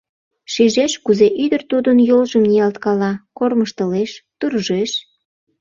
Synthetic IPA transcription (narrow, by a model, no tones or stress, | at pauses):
ʃiʒeʃkuzeʔyd̪ərt̪ud̪ənjolʒəmniɑlt̪kɑlɑkorməʃt̪əleʃt̪urʒeʃ